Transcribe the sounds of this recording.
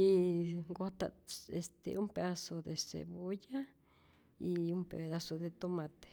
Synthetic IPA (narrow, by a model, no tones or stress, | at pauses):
iɡot̪a̰est̪ḛʔumped̪asod̪esḛbuja | iumpḛd̪asod̪et̪omat̪e̥